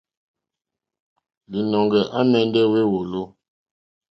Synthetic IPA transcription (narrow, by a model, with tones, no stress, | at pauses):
li˨nɔ˨ŋɡɛ˨ʔa˦mɛ˨n˦dɛ˦we˦wo˨lo˦